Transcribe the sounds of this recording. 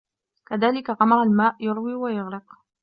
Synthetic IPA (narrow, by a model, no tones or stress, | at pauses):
kaðaːlɪkaɣɑmɑɾˤalmaːʔjʊɾwiːwajʊɣɾɪq